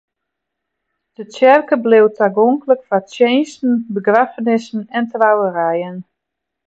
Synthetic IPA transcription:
d̥ətɛrkəblewtʰaɡoŋkləkfatjeːnstn̩bəɡrafənɪsn̩ɛntrawəɾɛjən

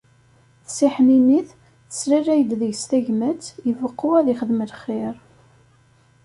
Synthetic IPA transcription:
θsiħniniθ | θə̥sɾiræjəd̪ðəʝst̪æʝmæt͡sːjəvəqːuæðiχəðməlχːɪɾ

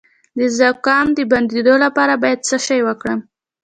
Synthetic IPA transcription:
d̪əzakɑmd̪əband̪ed̪olapɑɾabɑjad̪̚səʃɑjwəkɽəm

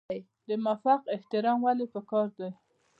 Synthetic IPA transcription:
j | d̪əmafaqɪht̪ɪɾɑmwalipəkɑɾd̪aj

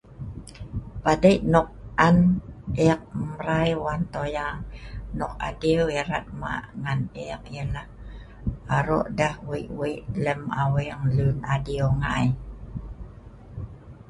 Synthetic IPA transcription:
padəjʔnɔk̚ʔanɛk̚məɾajwant̪ojaŋnɔk̚a̰dioeɾat̪̚ma̰ʔŋanek̚jəlah | aɾo̰ʔdahwiʔwiʔləmaweŋlunadioŋa̰j

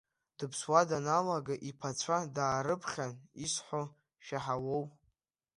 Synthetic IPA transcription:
d̥ɨpʰswadanalaɡaʔipʰat͡sʷʰadaːɾɨpʰχʲanisħʷo | ʃaħawow

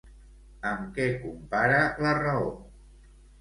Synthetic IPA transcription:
əmkɛkumpaɾələrəo

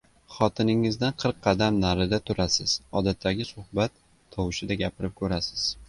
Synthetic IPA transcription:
χɒt̪ʰɪnɪŋɪzd̪anqʰɨɾqʰːɑd̪amnaɾɪd̪at̪ʰʊɾasɪz̥ɒd̪at̪ʰːaɡʲɪsʊhbat̪ʰː | ɒwɪʃɪd̪aɡʲapʰɪɾɪp̚kʰɵɾasɪ̥z̥

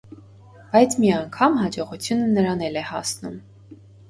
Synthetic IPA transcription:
b̥ɑjt͡sʰmiɑŋkʰɑmhɑd͡ʒɔʁut͡sʰjunənəɾɑnɛlɛhɑsnum

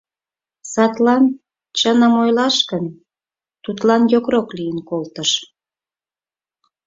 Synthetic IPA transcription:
sɑt̪lɑn | t͡ɕənəmojlɑʃkən | t̪ut̪lɑnjokroklijənkolt̪əʃ

